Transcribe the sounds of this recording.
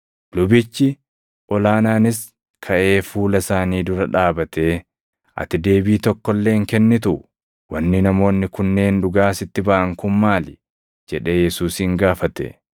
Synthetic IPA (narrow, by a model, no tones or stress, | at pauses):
lʊbɪt͡ʃːɪ | ʔɔlaːnaːnɪs | kʰɐʔe̞ːfuːlɐsaːniːd̪ʊɾɐᶑaːbɐt̪e̞ː | ʔɐ̰t̪ɪd̪e̞ːbiːt̪ɔkːɔlːe̞ːŋkɛnːɪt̪ʊʔʊ | wɐnːɪnɐmo̞ːnːɪkʊnːe̞ːnᶑʊɡaːsɪt̪ːɪbɐʔɐŋkʊmːaːlɪ | d͡ʒɛᶑe̞ːjɛsuːshɪŋɡaːfɐt̪ɛ̰